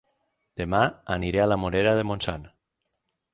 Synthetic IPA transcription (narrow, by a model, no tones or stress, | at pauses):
d̪̥emaaniɾealamoɾeɾaðemonsan